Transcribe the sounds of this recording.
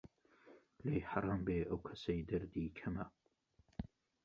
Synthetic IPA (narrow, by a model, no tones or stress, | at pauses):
lejħaɾˤɑːmbeːʔɐwkʰɐ̥sɐjd̪ɐɾd̪iːkʰɐmɐ